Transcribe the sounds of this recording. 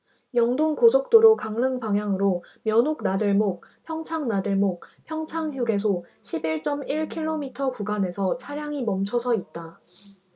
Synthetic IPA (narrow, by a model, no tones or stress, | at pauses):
jʌŋdoŋkosʰok̚t͈oɾokaŋnɯŋpaŋɦjaŋɯɾomjʌnɦok̚nadɯɭmok̚pʰjʌŋt͡ɕʰaŋnadɯɭmok̚pʰjʌŋt͡ɕʰaŋɦuɡe̞sʰoɕʰibiɭt͡ɕ͈ʌmiɭkʰiɭːomitʰʌkuɡane̞sʰʌt͡ɕʰaɾjaŋimʌmt͡ɕʰʌsʰʌit̚t͈a